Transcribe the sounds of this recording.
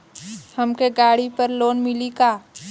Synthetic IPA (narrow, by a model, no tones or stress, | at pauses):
hɐmkeɡaːɽipəɾloːnmɪlikaː